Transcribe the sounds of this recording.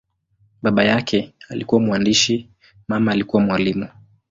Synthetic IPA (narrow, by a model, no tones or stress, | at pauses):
ɓaɓajakʰɛalḭkuwamuandiʃi | mamaːlikuwamwalimu